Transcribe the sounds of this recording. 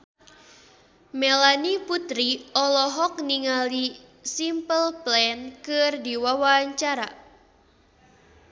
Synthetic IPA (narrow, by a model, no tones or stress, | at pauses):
melaniput̪ɾiɔlɔɦɔk̚niŋali | simpəlplɛnkɨrdiwawaaɲt͡ʃaɾa̰